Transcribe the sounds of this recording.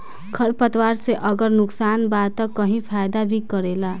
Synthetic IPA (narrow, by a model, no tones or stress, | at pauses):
kʰʌɾpʌt̪waɾseʔʌɡʌɾnuksanbat̪ːʌkʌɦĩpʰajd̪abʱikʌɾela